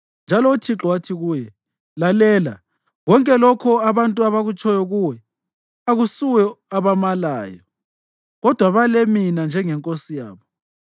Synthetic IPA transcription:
nd͡ʒʱalɔutʰiǁɔwatʰiɣuːjɛ | lalɛːla̰ | ɣɔŋkʼɛlɔkʰɔaβantʼuaβaɣut͡ʃʰʼɔjɔɣuwɛ | aɣusuwɔaβamalaːjɔ | ɣɔd̥ʱwaβaleminand͡ʒʱɛŋɛŋkʼosija̰ːβɔ

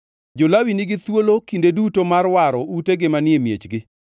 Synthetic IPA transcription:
d͡ʒolawinɪɡɪt̪wolokindedutomarwaɾɔuteɡɪmanɪemjḛt͡ʃɡɪ

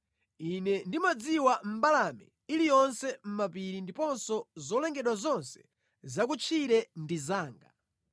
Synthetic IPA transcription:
inɛndimad͡ziwam̩balamɛ̰ | ilijɔnsɛm̩mapiɾindipɔnsɔzɔlɛŋɡɛɗwazɔnsɛ̥ | zak̬ut͡ʃʰiɾɛndizaːŋɡa

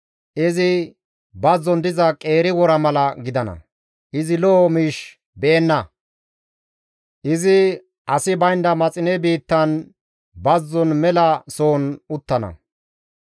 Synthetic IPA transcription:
ʔɪzɪ | bɐzːɔnd̪ɪzɐkʼe̞ːɾɪwɔɾɐmɐlɐɡɪd̪ɐnɐ̰ | ʔɪzɪloːmiːʃ | bɛːnːɐ | ʔɪzɪ | ʔɐsɪbɐjnd̪ɐmɐt͡sʼɪnɛbiːt̪ːɐn | bɐzːɔnmɛlɐso̞ːnʊt̪ːɐnɐ̰

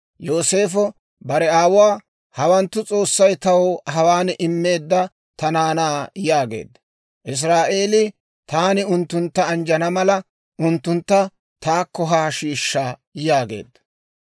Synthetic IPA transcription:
jo̞ːse̞ːfɔ | bɐɾɛaːwwaː | hɐwɐnt̪ːʊt͡sʼo̞ːsːɐjt̪ɐwhɐwaːnʔɪmːe̞ːd̪ːɐ | t̪ɐnaːnaːjaːɡe̞̰ːd̪ːɐ | ʔɪs̬ɾaːʔe̞ːlɪ | t̪aːnɪʊnt̪ːʊnt̪ːɐːnd͡ʒɐnɐmɐlɐ | ʔʊnt̪ːʊnt̪ːɐ | t̪aːkːɔɦaːʃiːʃːaːjaːɡe̞̰ːd̪ːɐ̥

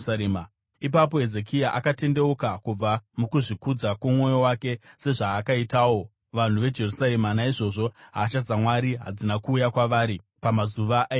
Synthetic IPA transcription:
aɾeːma | ipap̬o̞ɦe̞ze̞k̬ʰijaʔakate̞nde̞ukakub͡vamukuʐikud͡zakumwo̞jowake̞se̞ʐaːkaitaːwo̞ | ʋan̤uʋe̞d͡ʒe̞rusaɾe̞manaiʐo̞ʐo̞ɦaːt͡ʃad͡zamwaɾiɦa̰d͡zinakuːjakwaʋaːɾi | pamazuʋaʔ

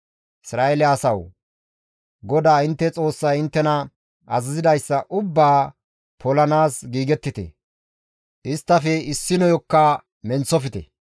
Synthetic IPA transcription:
ɪsɾaːʔɛlɪɐsɐw | ɡɔd̪aːɪnt̪ːɛt͡sʼo̞ːsːɐjɪnt̪ːɛnɐ | ɐzɐzɪd̪ɐjsːɐʔʊbːaː | pʰɔlɐnaːsɡiːɡɛt̪ːɪt̪ɛ̰ | ʔɪst̪ːɐfɛɪsːɪnɔjɔkːɐ | mɛnt͡sːɔfɪt̪ɛ̰

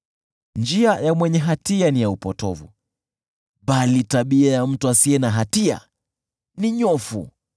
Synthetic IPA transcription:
nd͡ʒiajamwɛɲɛɦatianijaupɔtɔ̰vṵ | ɓalitaɓiajam̩tuasiɛnaɦatia̰ | niɲɔfṵ

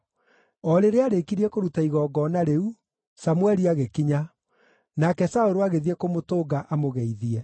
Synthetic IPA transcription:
ɔɾeɾeaɾekiɾiɛkoɾutaiɣɔɡɔnaɾeu | samwɛɾiaɣekiɲa | nakɛsaoɾoaɣeðiɛkomotoːɡaʔamoɣɛiðiɛ

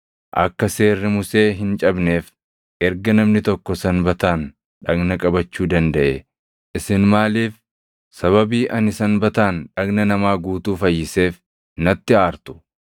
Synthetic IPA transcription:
ʔɐ̰kːɐse̞ːrːɪmʊse̞ːɦɪnt͡ʃʼɐbne̞ːf | ʔɛɾɡɐnɐmnɪt̪ɔkːɔsɐnbɐt̪aːn | ᶑɐɡnɐkʼɐbɐt͡ʃːuːd̪ɐnd̪ɐʔe | ʔɪsɪnmaːliːf | sɐβɐbiːʔɐnɪsɐnbɐt̪aːnᶑɐɡnɐnɐmaːɡuːt̪uːfɐjːɪse̞ːf | nɐt̪ːɪaːɾt̪ʊ̥

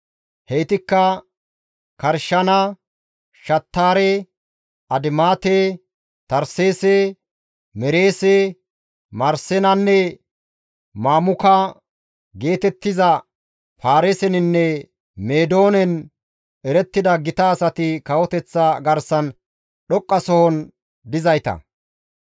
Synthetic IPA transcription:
hɛjt̪ɪkːɐ | kɐɾʃɐnɐ | ʃɐt̪ːaːɾe | ɐd̪ɪmaːt̪e | t̪ɐɾseːse | mɛɾe̞ːse | mɐɾsɛnɐnːɛ | maːmʊkɐ | ɡe̞ːt̪ɛt̪ːɪzɐ | faːɾesɛnɪnːɛ | meːd̪o̞ːnɛn | ɛɾɛt̪ːɪd̪ɐɡɪt̪ɐːsɐt̪ɪkɐwɔt̪ɛt͡sːɐɡɐɾsɐn | ɗɔkʼːɐsɔhɔn | d̪ɪzɐjt̪ɐ̰

